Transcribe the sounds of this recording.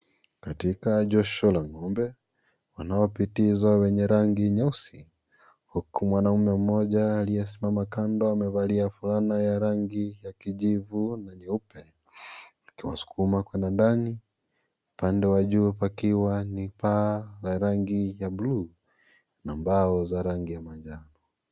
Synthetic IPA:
katikaʄɔʃɔlaŋɔmbɛ | wanaɔpitizwawɛɲɛɾaŋɡiɲausi | hukumwanaumɛm̩ːɔʄaːlijɛsimamakandɔamɛvaliafulanajaɾaŋɡijakiʄivunaɲiupɛ | akiwa̰su̥kumakwɛnandani | upandɛwaʄuːpakiwanipalaɾaŋɡijabuluː | nambaɔzaɾaŋɡijamaʄanɔ

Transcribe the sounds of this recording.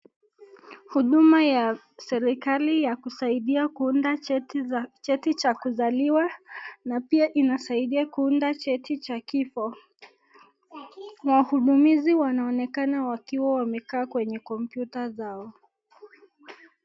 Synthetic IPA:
huɗumaja | sɛɾikalijakusaiɗiakunda | t͡ʃɛtit͡ʃakuzaliwanapiaʔinasaiɗiakuundat͡ʃɛtit͡ʃakifɔ | wahuɗumiziwanaɔnɛkanawakiwawamɛkaːkwɛɲɛkɔmpjutazaɔ

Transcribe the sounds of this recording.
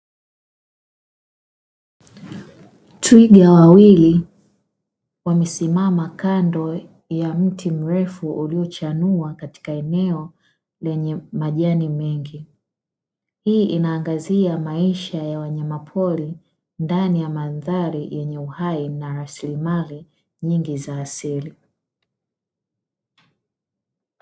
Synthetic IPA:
tʰwiɡawawili | wamɛsimamakandɔ | jam̩tʰim̩ɾɛfuʔuliɔt͡ʃanuakati̥kaɛnɛɔ | lɛɲɛmaʄanimɛŋɡi | hiːʔinaːŋɡaziamaiʃajawaɲamapʰɔli | ndanijamaðaɾijʔɛɲɛuhainaɾasilimali | ɲiŋɡizaːsili

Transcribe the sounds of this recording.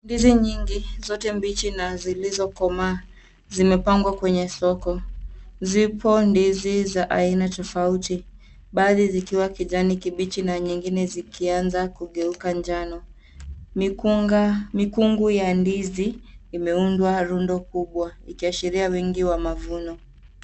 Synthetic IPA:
ndiziɲiŋɡizɔtɛmbit͡ʃinazilizɔkɔmaː | zimɛpaŋɡwakwɛɲɛsɔkɔzipʰɔndizizaʔainatɔfauti | ɓaðizikiwakiʄanikiɓit͡ʃinaɲiŋɡinɛzikʰianzakuɠɛukaɲd͡ʒanɔ | m | mikuŋɡujandiziːmɛundwaɾundɔkuɓwaikiaʃiɾiawɛŋɡiwamavunɔ

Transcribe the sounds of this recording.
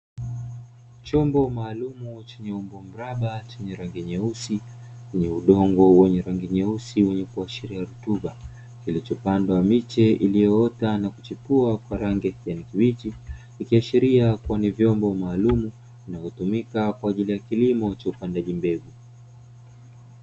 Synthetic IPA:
t͡ʃɔmbɔmaːlumut͡ʃɛɲɛumbɔm̩ɾaɓat͡ʃɛɲɛɾaŋɡɛɲɛusiwɛɲɛuɗɔŋɡɔwɛɲɛɾaŋɡiɲɛusiwɛɲɛkuaʃiɾiaɾutuɓa | kilit͡ʃɔpandwaamit͡ʃɛʔilijɔɔtanakut͡ʃipuakwaɾaŋɡɛjanikiwitikikiaʃiɾiakuanivjɔmbɔmaːlumu | inavɔtumikakwaːʄilijakilimɔt͡ʃaupandaʄimbɛɡu

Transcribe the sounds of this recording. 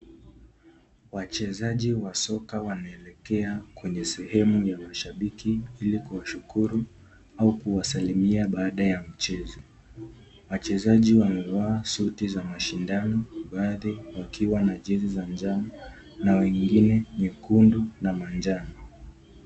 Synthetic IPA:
wat͡ʃɛzaʄiwasɔkawanaɛlɛkɛakwɛɲɛsɛhɛmujamaʃaɓikiilikuwaʃukuɾu | aukuwasalimiaɓaːɗajam̩t͡ʃɛzɔ | wat͡ʃɛzaʄiwamɛwaːsutizamaʃindanɔɓaðiwakʰiwanaʄɛzizand͡ʒama | nawɛŋɡinɛmikundunamand͡ʒanɔ

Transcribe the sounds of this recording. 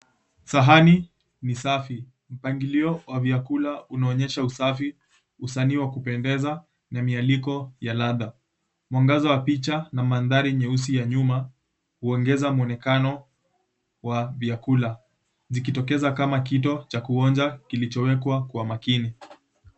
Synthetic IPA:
saɦani | nisafi | m̩paŋɡiliɔwavjakulaunaɔɲɛʃausafi | usaniːwakupɛndɛza | namialikɔjalaða | mwaŋɡazɔwapit͡ʃanamanðaɾiɲɛus̬ijaɲuma | huɔŋɡɛzamuɔnɛkanɔ | wavjakula | zik̬itɔkɛzakamak̬itɔt͡ʃakuɔnd͡ʒakilit͡ʃɔwɛkwakwamakini

